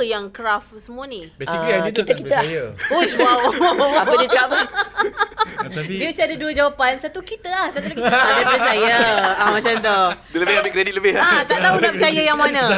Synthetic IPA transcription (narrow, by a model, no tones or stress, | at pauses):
jaŋkəɾafsəmũanibɛiiakit̪akit̪əaosaaədiət͡ʃukaʔpə | diut͡ʃiadaduəd͡ʒawapansat̪ukit̪əahsat̪ulaiadapəsajəamãt͡ʃant̪̬o | ləbɪad̪əkɾedit̪̚ləbɪhat̪aʔt̪audapət͡ʃajəjaŋmãnã